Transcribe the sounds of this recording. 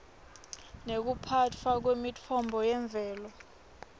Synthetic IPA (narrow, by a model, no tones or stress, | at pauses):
nek̬upʰat͡fʰwak̬wemit͡fʰɔmbʱɔjɛɱb̪vʱɛːlɔ